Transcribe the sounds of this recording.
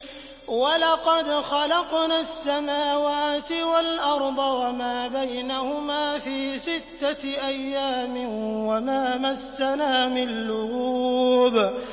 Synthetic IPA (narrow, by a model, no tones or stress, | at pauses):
walɑqɑd̪xɑlɑqnaːsːamaːwaːt̪ɪwalʔɑɾˤd̪ˤɑwamaːbajnahʊmaːfiːsɪt̪ːaʔajːaːmɪnwamaːmasːanaːmɪalːʊɣuːb